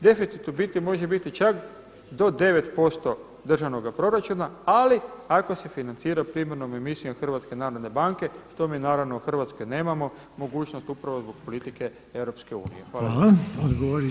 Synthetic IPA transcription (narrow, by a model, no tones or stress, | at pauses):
d̪e̞fit̪sit̪ubit̪imo̞ʒebit̪it͡ʃak | d̪o̞d̪e̞ʋe̞t̪po̞st̪o̞ | d̪r̩ʒaʋno̞ɡapɾo̞ɾat͡ʃunaaliako̞se̞finant̪siːɾapɾiːmeɾno̞me̞misijomxr̩ʋat̪ske̞naːɾod̪nebaŋke̞ʃt̪o̞miːnaːɾaʋnouxr̩ʋat̪sko̞jne̞ːmamo̞ | mo̞ɡuːt͡ʃnost̪upɾaʋozbo̞ɡ̥po̞lit̪ike̞ | e̞wɾo̞pske̞ṵːnḭjexʋaːlod̪ɡoʋoɾi